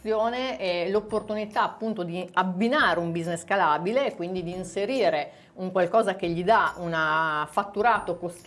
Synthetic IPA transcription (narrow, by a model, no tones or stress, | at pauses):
joːneɛlopːort̪unit̪aːpːunt̪od̪iabːinaːɾeumbizneskalaːbilekwind̪id̪iːnseɾiːɾe | uŋkwalkɔːzakeʎːid̪aunafat̪ːuɾaːt̪okost̪